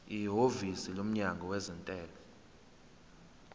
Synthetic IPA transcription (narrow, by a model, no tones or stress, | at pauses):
iɦovisilom̩ɲaŋɡʱɔwɛzɛntʼɛːlɔ